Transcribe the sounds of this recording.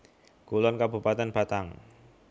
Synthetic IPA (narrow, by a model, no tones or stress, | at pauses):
ɡ̥ulɔnkabupat̪ɛnb̥at̪aŋ